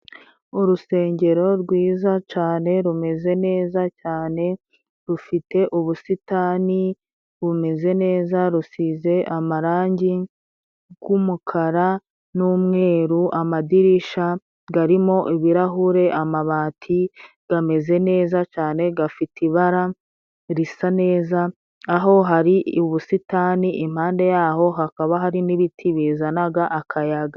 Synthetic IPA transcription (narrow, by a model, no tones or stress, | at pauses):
uɾuse̞ːɲɟe̞ɾo̞ɾɡwiːzat͡ʃaːne̞ɾume̞ze̞ne̞ːzacaːne̞ | ɾufite̞ʔuβusitaːni | ɾume̞ze̞ne̞ːzaɾusize̞ʔamaɾaːɲɟi | ɡwumukʰaɾa | nuːmŋe̞ːɾuʔamadiɾiʃa | ɡaɾimo̞ʔiβiɾaɦuɾe̞ʔamaβaːtʰi | ɡ̥ame̞ze̞ne̞ːzat͡ʃaːne̞ɡafitiβaɾa | ɾisane̞ːzaː | ɦo̞ɦaɾiuβusitaːniʔim̥haːnde̞jaːho̞ɦakaβaɦaɾiniβitʰiβizanaɡaʔakʰajaɡa